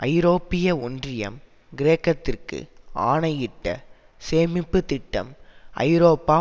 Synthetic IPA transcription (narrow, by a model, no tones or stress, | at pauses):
ʔɐɪɾoːpːɪjɐɔndrɪjɐ̰m | ɡɪɾeːkːɐt̪ːɪrkɯ̰ʔaːnɐjɪʈːɐ̰ | seːmɪpːɯt̪ɪʈːɐ̰mʔɐ̰ɪɾoːpːaː